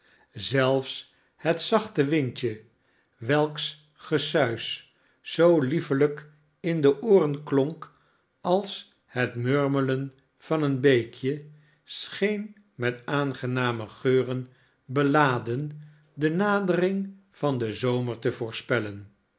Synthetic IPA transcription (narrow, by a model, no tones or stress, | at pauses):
zɛlˠfs | hətsɑχtəʋɪntə | ʋɛlˠks | χəsœɥs | sowlifələk | ɪndəʔʊːrənklɔŋk | ɑlˠs | hətmøɹmələn | v̥ɑnənbejkʰjə | sχejn | mɛtaːnχənaːməχøːrən | bəlaːdən | dənaːdərɪŋ | v̥ɑndəzowməɹtəvʊːɹspɛlən